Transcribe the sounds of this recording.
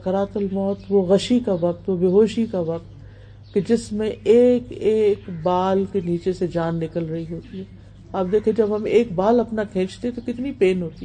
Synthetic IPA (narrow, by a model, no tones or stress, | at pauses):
ɐkəɾaːt̪əlmɔːt̪ʋoɣɐʃikaʋɐk̚t̪ʋobɪɦoːʃikaʋɐk̚t̪ | ked͡ʒɪsmẽeːkeːkbaːlkeniːt͡ʃesed͡ʒaːnːɪkəlɾɐɦiɦoːt̪iɦɛː | aːb̚d̪eːkʰed͡ʒɐbɦɐmeːkbaːlɐpnakʰẽːt͡ʃt̪eɦɛ̃t̪okɪt̪nipeːnɦoːt̪i